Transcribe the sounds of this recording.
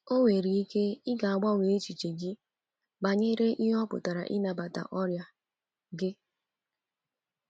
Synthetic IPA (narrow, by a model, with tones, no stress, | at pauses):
o˦wʷe˨ɾi˨i˦ke˦ɪ˦ɡa˨a˨ɡ͡ba˦˨ŋʷe˨e˦t͡ʃi˨t͡ʃe˨ɡi˦ | ba˨ɲe˦ɾe˦ʔi˦ɦɔ˦pʊ̰˨ta˨ɾa̰˨ʔi˦na˨ba˨ta̰˨ʔɔ˦ɾja˨ | ɡɪ˦